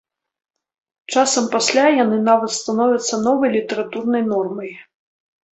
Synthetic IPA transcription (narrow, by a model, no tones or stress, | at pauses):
t͡ʂasɐmpasʲlʲajanɨnavɐt̪st̪anɔvʲɐt̪sːɐnɔvɐjlʲit̪ɛɾat̪urnɐjnɔrmɐj